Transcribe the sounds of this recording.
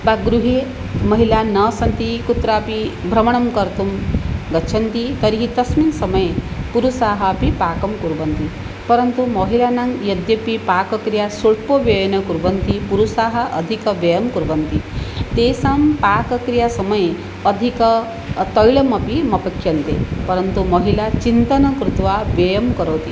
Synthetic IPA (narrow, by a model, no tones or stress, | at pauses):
baɡɾuɦe | mɐɦilanɐsɐnt̪ikut̪ɾaːpibʱɾɐmɐɳɐmkɐɾt̪umɡɐt͡ʃʰɐnt̪it̪ɐɾiɦit̪ɐsminsɐmɐjepuɾusaːɦɐɐpipaːkɐmkuɾʋɐnt̪i | pɐɾɐnt̪umɐɦilaːnaŋjɐd̪jɐpipaːkɐkɾijasuʈpoʋjɐjɐnɐkuɾʋɐnt̪ipuɾusaːɦɐ̆ʔːd̪ʱikɐʋjɐjɐmkuɾʋɐnt̪it̪eːsampaːkɐkɾijasɐmɐje | ɐd̪ʱikɐ | t̪ɐjɭɐmɐpimɐpɐkʰjɐnt̪ḛpɐɾɐnt̪umɐɦilat͡ʃint̪ɐnɐkɾut̪ʋaʋjɐjɐmkɐɾowt̪i